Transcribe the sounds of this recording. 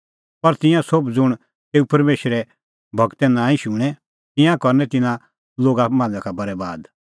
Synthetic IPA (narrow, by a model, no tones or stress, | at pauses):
pɐɾt̪ɪ̃jãsobd͡zʊɽ̃ | t̪eːupɐɾmeːʃɾɛ | bʱɐɡt̪ɛnãːĩʃũːɽ̃ɛ̃ | t̪ɪ̃jãkɔɾnɛt̪ɪnã | loːɡamãːd͡zãkʰabɐɾɛbaːd̪